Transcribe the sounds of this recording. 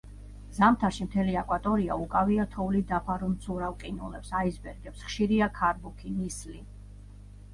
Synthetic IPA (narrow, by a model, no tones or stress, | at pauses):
zamt̪ʰaʃimt̪ʰɛliakʼwat̪ʼɔɾia̰ukʼaviat̪ʰɔvlid̪apʰaɾumt̪sʰuɾavqʼinṵlɛpsaizbɛɾɡɛpsχʃiɾiakʰaɾbukʰinisli